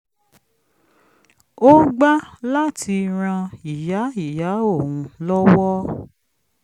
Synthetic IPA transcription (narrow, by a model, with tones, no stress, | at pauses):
o˦ɡ͡ba˦la˦tʰi˧ɾ̃ã˧i˨ja˨˦i˦˨ja˨˦o˦˨wũ˧lɔ˦wɔ˦